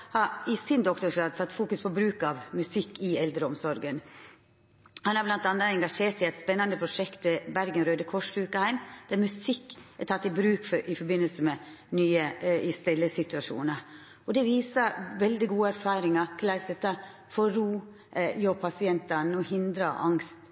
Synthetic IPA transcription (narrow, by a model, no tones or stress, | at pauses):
hɑɾɪsɪnd̪ɔkt̪ɔʂɑːd̪sɑt̪ːfuːkʉspʰɔbɾʉːkɑʋmʉsɪkːɪɛld̪ɾəɔmsɔɾɡən | hɑnhɑɾblɑnt̪ɑnːɑɛŋɡɑʂeːʈsɛɪɛɪt̪spɛnːɑnd̪əpʰɾʊʂɛkt̪ʋɛbæɾɡənɾøːd̪əkʰɔʂɾʉːkəhæɪmd̪̥æɾmʉsɪkːæt̪ʰɑt̪ːɪbɾʉːkfʔɪfɔɾbɪnːəlsəmɛ | nyːəɪst̪ɪlːəsɪt̪ʉɑʂṵːnɑɾ | ɔd̪ɛʋiːsɑʋɛld̪ɪɡuːəæɾfɑːɾɪŋɑkʰlæɪsd̪ɛt̪ːɑ | fɔɾuː | jopʰɑsɪɛnt̪ɑnɔhɪnd̪ɾɑʔɑ̰ŋst̪